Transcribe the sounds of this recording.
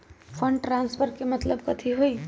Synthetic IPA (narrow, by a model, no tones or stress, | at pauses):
pʰəɳɖʈɾanspʰəɾkemət̪ləbkət̪ʰiɦoj